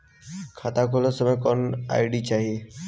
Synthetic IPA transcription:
kʰat̪akʰolosəməjkoːna̰jiɽit͡ɕaːɦie

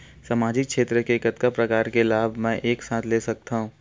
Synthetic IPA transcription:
samaːd͡ʒɪk̚ʃʰeːt̪ɾəkekət̪kapɾɐkaːɾkelaːbʱmɛ̃ːʔeːksãːt̪ʰleːsɐk̚t̪aɦũː

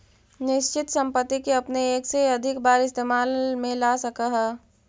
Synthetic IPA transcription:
nɪʃt͡ʃɪt̪sə̃mpət̪ːikeɐpneeːkseɐd̪ʱɪkbaːɾɪst̪eːmaːlmẽlasəkaɦɛː

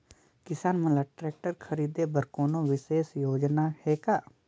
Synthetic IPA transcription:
kɪsaːnməlaːʈɾɛːk̚ʈəɾkʰəɾiːd̪eːbəɾkoːnõːʋɪseːsjoːd͡ʒnaːheːkaː

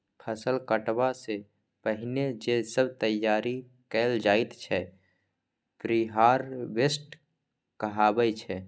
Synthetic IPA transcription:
pʰəsəlkəʈbase | pəɦɪned͡ʒesəbt̪əjːaːɾi | kɛːld͡ʒaːit̪t͡ʃʰɛ | pɾiɦaːɾʋesʈ | kəɦaːbəjt͡ʃʰɛ

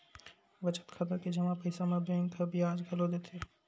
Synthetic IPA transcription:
ʋɐt͡ʃə̥t̪kʰɐt̪əɾked͡ʒɐmãpəɪsamẽbẽːŋk̪ʰɐbʱiaːd͡ʒɡʱɐlod̪eːt̪ʰeː

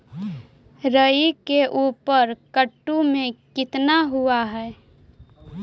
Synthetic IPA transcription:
ɾəikeʔuːpəɾkəʈːumẽkɪt̪naɦuaɦɛː

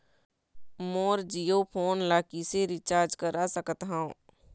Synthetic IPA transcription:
moːɾd͡ʒijopʰoːnlaːkiseɾɪt͡ʃaːɾd͡ʒkəɾasəkət̪ɦaõː

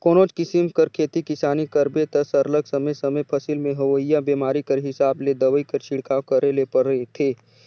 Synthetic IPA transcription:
koːnoːt͡ʃkɪsɪmkɐɾkʰeːt̪ikɪsaːnikɐɾbet̪ɐsɐɾləɡsɐməjsɐməjpʰɐsɪlmẽɦɐʋəɪjabeːmaːɾikɐɾɦɪsaːbled̪ɐʋəikɐɾt͡ʃʰɪɽkakɐɾelepɐɾəet̪ʰeː

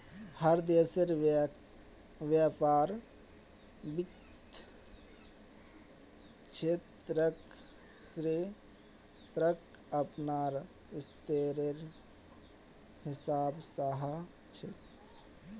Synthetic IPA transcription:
həɾd̪eːseɾ | ʋjapaːɾ | bik | t̪ʰ | t͡ʃʰet̪ | ɾək | sɾi | t̪ɾək | əpnaːɾ | ɪst̪eɾeɾ | hɪsaːbsaɦə | t͡ʃʰe

